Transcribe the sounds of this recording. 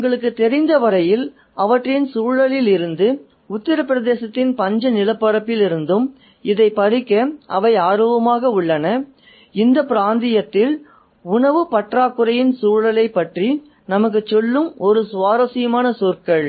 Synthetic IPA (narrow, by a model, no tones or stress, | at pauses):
ʊŋɡɐɭɯkːɯt̪ɛɾɪnd̪ɐʋɐɾɐjɪl | ɐʋɐʈrɪnsuːɻɐlɪlɪɾɯnd̪ɯ | ʊt̪ːɪɾɐpːɪɾɐðeːsɐt̪ːɪnpɐɲd͡ʒɐnɪlɐpːɐɾɐpːɪlɪɾɯnd̪ɯm | ɪðɐɪpɐɾɪkːɐɐʋɐɪaːɾoːbɐmaːɣɐʊɭːɐnɐ | ɪnd̪ɐpɪɾaːnd̪ɪjɐt̪ːɪl | ʊɳɐʋɯpɐʈraːkːɯɾɐjɪnsuːɭɐlɐɪpːɐʈri | nɐmɐk̬ːɯt͡ʃːɔlːɯmɔɾɯsʊʋaːɾɐsɪjɐmaːnɐsuːɾkɐɭ